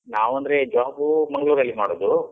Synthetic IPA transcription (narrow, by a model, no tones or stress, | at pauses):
naːʋɐnd̪ɐɾed͡ʒaːbumɐŋɡɐɭuːɾɐlːimaːɽod̪u